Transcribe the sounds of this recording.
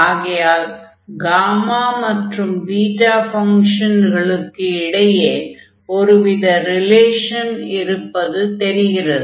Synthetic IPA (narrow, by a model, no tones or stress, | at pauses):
aːɣɪjaːl | ɡaːmaːmɐʈrɯmɖiːʈaːfɐŋʂɐnɣɐɭɯkːɯɪɽɐjeː | ɔɾɯʋɪðɐɾɪleːʂɐnɪɾɯpːɐðɯt̪ɛɾɪɣɪrɐðɯ